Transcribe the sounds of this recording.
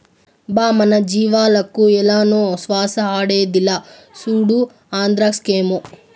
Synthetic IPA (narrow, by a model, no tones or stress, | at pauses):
baːmɐnɐd͡ʒiːʋaːlɐkːuɛlːaːnuːsʋaːsɐaːɽeːd̪ilːɐ | suːɽu | aːnd̪ɾakskeːmu